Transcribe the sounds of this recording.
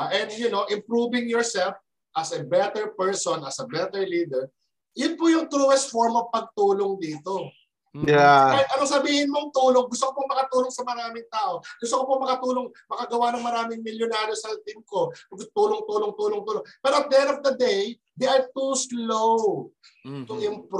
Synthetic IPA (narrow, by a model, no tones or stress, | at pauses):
ʔɛnd̪jʊnoʔɪmpɹuːvɪ̃ŋjɔɹsɛlf | ʔɐsɐbɛt̪ɛɹpɛɹsɔnɐsɐbɛt̪ɛɹliːd̪ɛɹ | jʊnpʊjʊŋt̪ɾuːɛst̪foɹmɔv̥pɐɡ̚t̪uːloŋd̪iːt̪o | jɛajʔɐnɐŋsɐbiːhɪnmoŋt̪uːloŋɡʊst̪okopomɐkɐt̪uːloŋsɐmɐɾaːmɪŋt̪aːʔo̞ɡ̥ʊst̪okopomɐkɐt̪uːloŋ | mɐkɐɡɐwanɐŋmɐɾaːmɪŋmɪljʊnaːɾjosɐt̪ɪmko̞ɐɡt̪uːloŋt̪uːloŋt̪uːloŋt̪uːloŋpɛːɾoɐt̪̚d̪ɛɾɔvd̪ɐd̪ej | d̪eʔɐjt̪uslow | t̪ʊŋɪjoŋp